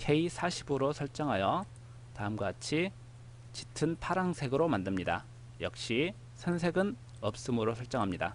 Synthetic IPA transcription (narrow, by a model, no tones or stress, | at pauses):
kʰe̞isʰaɕʰiboɾosʰʌɭt͡ɕ͈ʌŋɦajʌ | taɯmɡat͡ɕʰi | t͡ɕitʰɯnpʰaɾaŋsʰe̞ɡɯɾomandɯmɲida̰ | jʌk̚ɕ͈i | sʰʌnsʰe̞ɡɯn | ʌp̚s͈ɯmɯɾosʰʌɭt͡ɕ͈ʌŋɦamɲida̰